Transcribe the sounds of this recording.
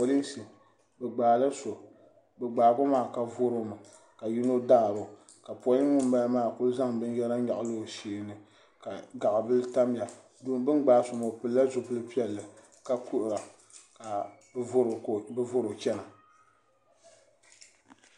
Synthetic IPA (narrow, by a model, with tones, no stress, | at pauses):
pɔ˨li˦sɨ˨ | bɛ˨ɡ͡baː˨lɨ˦so˨ | bɛ˨ɡ͡baː˨bʊ˦maː˦˨ka˨vʊ˦ɾo˦ma˨ | ka˨ji˦no˦daː˦˨bʊ˨ | ka˨pɔ˨li˦ŋʊ˦m˦ba˦lmaː˦˨kʊ˦lza˦ŋbɨ˦n˦jɛ˦la˦ɲa˨ʔlo˦˨seː˨nɨ˨ | ka˨ɡa˨ʔa˨bɨ˦lta˦m˦a˨ | duː˦n˦bɨ˦nɡ͡baː˨˦so˨mo˨pɨ˨lːa˦zʊ˨pɨ˦lɨ˦pi˦ɛ˨lːɨ˨ | ka˨ku˦ʔʊ˨ɾa˨ | ka˨˦ | ɾbɨ˦vʊ˦ɾo˨t͡ʃɛ˦na˨